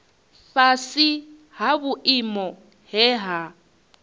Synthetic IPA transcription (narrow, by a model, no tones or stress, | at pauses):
fasi | ɦaβuʔimɔ | ɦɛɦa